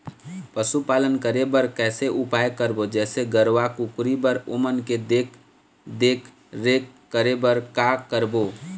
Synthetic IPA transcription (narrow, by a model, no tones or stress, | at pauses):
pəsupaːlənkəɾebəɾkɛːseʔupajkəɾbod͡ʒɛːseɡəɾʋakukɾibəɾomənked̪eːk | d̪eːkʰ | ɾeːkːəɾebəɾkakəɾbo